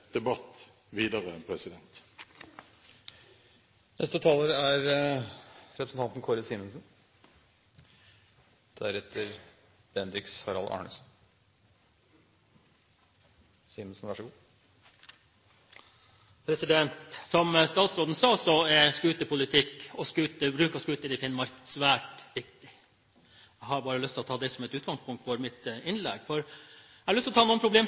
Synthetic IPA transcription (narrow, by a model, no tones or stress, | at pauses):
d̪̥ɛbɑt̪ | ʋiːd̪əʁəɛnpʰɾɛsɪd̪ɛnt̪ | nʔɛst̪ət̪ʰɑːləɾəæɾə | ɾɛpɾəsn̩t̪ʰɑnt̪n̩kʰɔɾəsiːmənsn | d̪̥æɾɛt̪ʰːəɾ | b̥ɛnd̪ɾɪkshɑɾɑlʔɑ̰ːɳə̰sn̩ | sɪːmənsnʋɑʂɡuː | pʰɾɛsɪd̪ɛnt̪sɔməst̪ɑːt̪sɾoːd̪n̩sɑːsɔɛskʉːt̪əpʰʊlɪt̪ʰɪkɔskʉːt̪əbɾʉːkəɔskʉːt̪əd̪ɪfɪnːmɑɾkəsʋæːʈʋɪkt̪ɪ | æhɑɾbɑːɾəlʏst̪ʰɪlɔt̪ʰɑːd̪ɛsɔmɛt̪ʉːt̪̚ɡɑŋspʰʊŋkt̪fɔɾmɪt̪ɪnlɛ̰ɡfɔɾæɑlʏst̪ɔt̪ɑːnuːnpʰɾʊbleːm